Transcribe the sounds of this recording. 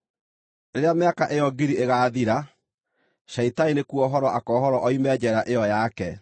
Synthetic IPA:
ɾeɾeameakaʔejɔɡiɾieɣaːðiɾa | ɕaitainekuɔɦɔɾɔʔakɔɦɔɾɔʔɔimɛd͡ʑɛɾaʔejɔjakɛ

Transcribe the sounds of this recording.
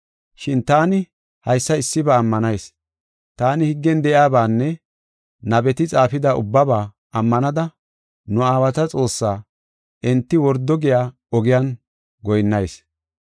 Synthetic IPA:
ʃɪnt̪aːnɪ | hɐjsːɐɪsːɪbɐːmːɐnɐjs | t̪aːnɪhɪɡːɛnd̪ɛʔjaːbaːnːɛ | nɐbɛt̪ɪt͡sʼaːfɪd̪ɐʔʊ̰bːɐbaː | ɐmːɐnɐd̪ɐ | nʊaːwɐt̪ɐt͡sʼo̞ːsːaː | ʔɛnt̪ːɪwɔɾd̪ːɔɡɪjaː | ɔɡɪjan | ɡɔjnːɐjs

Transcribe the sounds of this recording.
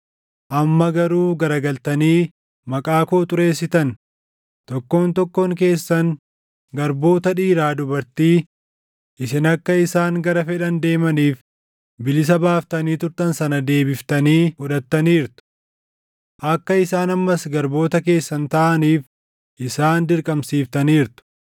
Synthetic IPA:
ʔɐmːɐɡɐɾuːɡɐɾɐɡɐlt̪ɐniː | mɐkʼaːkoːt̪ʼʊɾe̞ːsːɪt̪ɐn | t̪ɔkːo̞ːnt̪ɔkːoːŋk̬e̞ːsːɐŋ | ɡɐɾbo̞ːt̪ɐᶑiːɾaːd̪ʊbɐɾt̪iː | ʔɪsɪnɐkːɐɪsaːŋɡɐɾɐfɛᶑɐnd̪e̞ːmɐniːf | bɪlɪs̬ɐbaːft̪ɐniːt̪ʊɾt̪ɐnsɐnɐd̪e̞ːbɪft̪ɐniːʊᶑɐt̪ːɐniːɾt̪ʊ̥ | ʔɐkːɐɪsaːnɐmːɐsɡɐɾbo̞ːt̪ɐke̞ːsːɐnt̪ɐʔɐniːf | ʔɪsaːnd̪ɪɾkʼɐmsiːft̪ɐniːɾt̪ʊ̥

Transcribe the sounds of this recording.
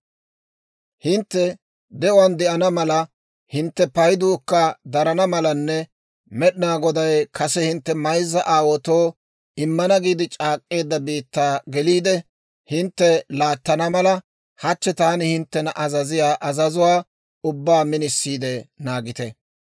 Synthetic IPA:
hɪnt̪ːɛ | d̪ɛʊwɐnd̪ɛʔɐnɐmɐlɐ | hɪnt̪ːɛpɐjd̪ukːɐd̪ɐɾɐnɐmɐlɐnːɛ | mɛɗɪnaːɡɔd̪ɐjkʰɐsɛhɪnt̪ːɛmɐjzːɐʔaːwɔt̪oː | ɪmːɐnɐɡiːd̪ɪt͡ʃʼaːkʼːe̞ːd̪ːɐbiːt̪ːaːɡɛliːd̪ɛ | hɪnt̪ːɛlaːt̪ːɐnɐmɐlɐ | hɐt͡ʃːɛt̪aːnɪhɪnt̪ːɛnɐʔɐzɐzɪjaːʔɐzɐzʊwaː | ʊbːaːmɪnɪsːiːd̪ɛnaːɡɪt̪ɛ

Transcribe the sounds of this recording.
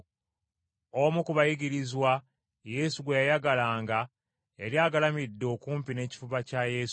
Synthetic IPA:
omukuβajiɡiɾizwa | je̞ːsuɡwejajaɡalaːŋɡa | e̞ɾjaːɡalamidːeo̞ːkuːmpine̞ːci̥fuβacaje̞su

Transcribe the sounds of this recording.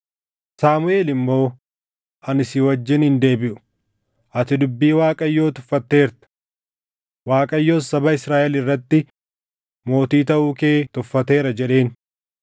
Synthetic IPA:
saːmʊe̞ːlɪmːo̞ː | ɐnɪsɪwɐd͡ʒːɪnhɪnd̪e̞ːbɪʔʊ̥ | ʔɐt̪ɪd̪ʊbːiːwaːkʼɐjːo̞ːt̪ʊ̥fːɐt̪ːe̞ːɾt̪ɐ̥ | waːkʼɐjːo̞ːsɐbɐɪsɾaːʔɛlɪrːɐt̪ːɪ | mo̞ːt̪iːt̪ɐʔʊke̞ːt̪ʊfːɐt̪e̞ːɾɐd͡ʒɛɗe̞ːn

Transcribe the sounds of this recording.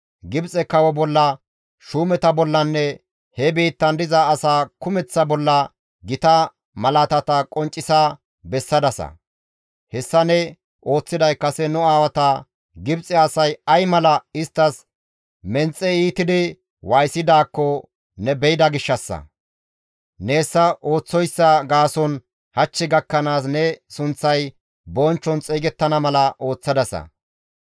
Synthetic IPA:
ɡɪbt͡sʼɛkɐwɔbɔlːɐ | ʃuːmɛt̪ɐbɔlːɐnːɛ | hɛbiːt̪ːɐnd̪ɪzɐːsaːkʊmɛt͡sːɐbɔlːɐ | ɡɪt̪ɐ | mɐlɐt̪ɐt̪ɐkʼɔnt͡ʃʼːɪsa | bɛsːɐd̪ɐsɐ̰ | hɛsːɐnɛ | ʔo̞ːt͡sːɪd̪ɐjkːɐsɛnʊaːwɐt̪ɐ | ɡɪbt͡sʼɛɐsɐjɐjmɐlɐɪst̪ːɐs | mɛnt͡sʼːɛiːt̪ɪd̪ɪ | wɐjsɪd̪aːkːɔ | nɛbɛjɪd̪ɐɡɪʃːɐsːɐ̰ | neːsːɐʔo̞ːt͡sːɔjsːɐɡaːsɔn | hɐt͡ʃːɪɡɐkːɐnaːsnɛsʊnt͡sːɐj | bɔnt͡ʃːɔnt͡sʼeːɡɛt̪ːɐnɐmɐlɐʔo̞ːt͡sːɐd̪ɐsɐ̰

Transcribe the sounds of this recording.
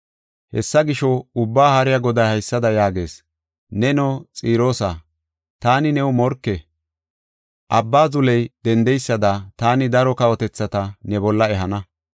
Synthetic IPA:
hɛ̰sːɐɡɪʃɔʊbːaːhɐɾɪjaɡɔd̪ɐjhɐjsːɐd̪ɐjaːɡe̞ːs | nɛnɔt͡sʼiːɾo̞ːsaː | t̪aːnɪnɛwʊmɔɾkːɛ | ʔɐbːaːzʊlɛjd̪̥ɛnd̪ɛjsːɐd̪at̪aːnɪd̪ɐɾɔkɐwɔt̪ɛt͡sːɐt̪ɐnɛbɔlːɐɛɦɐnɐ

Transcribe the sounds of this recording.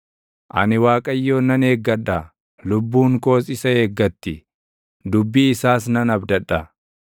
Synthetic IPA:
ʔɐ̰nɪwaːkʼɐjːo̞ːnɐneːɡːɐᶑɐ | lʊbːuːŋko̞ːsɪsɐeːɡːɐt̪ːɪ | d̪ʊbːiɪsaːsnɐnɐbd̪ɐᶑɐ

